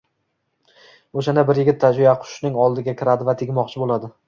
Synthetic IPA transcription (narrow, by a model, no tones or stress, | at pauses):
oʃ̬anabɪɾjɪɡʲɪt̪ʰːad͡ʒvɪjaqʰʊ̥ʃnɪŋɒlˠd̪ɪɡʲakʲʰɪɾad̪ɪvat̪ʰɪɡʲmɒqt͡ʃʰɪbolˠad̪ɪ